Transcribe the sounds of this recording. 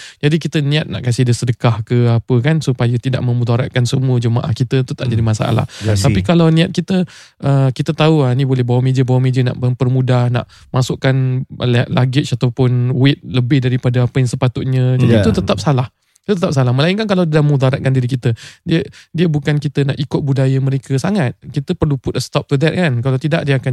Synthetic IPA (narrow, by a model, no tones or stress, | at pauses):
d͡ʒadikit̪ənĩat̪̚na̰ʔkasɪhdəsədəkahkəapəkansupajət̪ida̰ʔmə̃mud̪aɾa̰t̪̚kansəmuəd͡ʒəma̰ʔa̰hkit̪ət̪ut̪aʔd͡ʒadimasa̰ʔa̰la̰ht̪apikalawnĩat̪̚kit̪ə | ʔəkit̪ət̪auanibolɛhbawamediəbawamediəna̰ʔməpərmudahna̰ʔ | masʊʔkanlʔlaɡɪt̪̚t͡ʃat̪awpʊnwɪt̪̚ləbɪhdaɾipadaapəjaŋsəpat̪ʊt̪̚ɲə̃d͡ʒadiut̪ət̪ap̚salah | it̪ut̪ət̪ap̚salahməlaɪnkankalawdidamud̪aɾat̪̚kandiɾikit̪ədiədiəbukankit̪ənaʔikʊt̪̚budajəmə̃ɾekʰəsaŋat̪̚kit̪əpərlupʊt̪̚əst̪ɔp̚t̪ud̪ɛt̪̚kankalawt̪idaʔ̚diəakan